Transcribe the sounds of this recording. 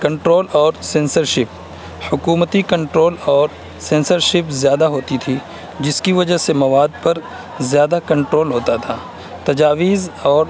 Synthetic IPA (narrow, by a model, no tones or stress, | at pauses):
kɐ̃ɳʈɾoːlɔːɾsẽːnsəɾʃɪp̚ | hʊkuːmət̪ikɐ̃ɳʈɾoːlɔːɾ | sẽːnsəɾʃɪpzjaːd̪aɦoːt̪it̪ʰi | d͡ʒɪskiʋɐd͡ʒəɦsemɐʋaːd̪̚pɐɾ | zjaːd̪akɐ̃ɳʈɾoːlɦoːt̪at̪ʰaː | t̪ɐd͡ʒaːʋiːzɔːɾ